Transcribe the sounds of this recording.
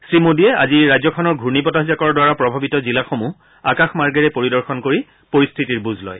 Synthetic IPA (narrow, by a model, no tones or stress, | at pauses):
sɹimodiɛa̰ziɹazɔkʰɔnɔɹɡʱuɹnipɔtaɦzakɔɹdwaɹapɹɔbʱabitɔzilaxomu | a̰kaxmaɹɡɛɹɛpoɹidɔɹxɔnkoɹi | poɹist̪ʰitiɹbuzʱlɔ̰j